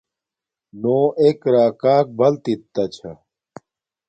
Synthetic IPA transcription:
noːʔekɾaːkaːk̚bɐlt̪it̪ːɐt͡ɕʰɐ

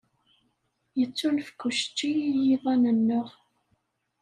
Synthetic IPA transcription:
jət͡sːulfkːuʃt͡ʃːijiðˤɑnənːʊʁ

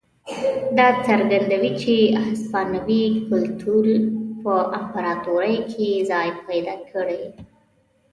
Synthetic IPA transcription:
d̪ɑt͡səɾɡand̪awit͡ʃeaspɑnawikʊlt̪ʰuɾpəʔampaɾɑt̪uɾəjkʰezɑjpʰajd̪ɑkʰəɽej

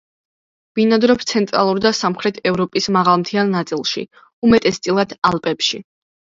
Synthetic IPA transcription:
v̥inad̪ɾɔpst̪sʰɛnt̪ʼɾa̰lˠuɾd̪asamχɾɛt̪ʰɛvɾɔpʼismaʁalˠmt̪ʰianːat̪sʼilˠʃḭ | umɛt̪ʼɛst̪sʼilˠad̪ʰalˠpʼɛpʃḭ

